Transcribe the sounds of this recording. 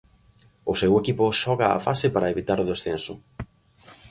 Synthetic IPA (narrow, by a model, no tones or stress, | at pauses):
ʊsewekipʊʃɔɣaa̰fasepaɾaeβit̪aɾʊðesθensʊ